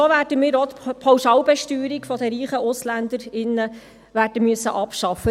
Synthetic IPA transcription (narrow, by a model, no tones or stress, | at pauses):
oʋæːd̥əmɪːɾot̪pʰɑwʃɑwbɛʃtyːɾikfɔd̪əɾiːχəʔʊslænd̪əɾɪnːə | ʋæːd̥əmyəsːəʔɑpʃɑfːə